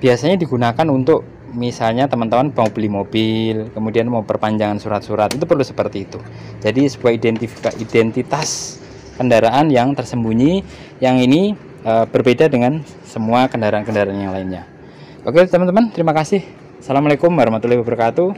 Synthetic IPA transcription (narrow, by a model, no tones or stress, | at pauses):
b̥iasaɲadiɡunakanunt̪ʊk̚ | misalɲat̪əmant̪əmanbaobilimobɪlkəmudianmaupərpaɲd͡ʒaŋansuɾat̪̚suɾat̪it̪̬upərlusə̥pərt̪iːt̪u | d͡ʒadisəbuaidɛnt̪ifaʔidɛnt̪it̪as | kəndaɾaʔanjaŋt̪ərsəmbuɲi | jaŋini | əb̥ərbedadəŋan | səmuakəndaɾaankəndaɾaːnjaŋlaɪnɲa | pakat̪əmant̪əmant̪əɾimakasɪh | salamalekʊmaɾhmat̪ulahbabərkat̪u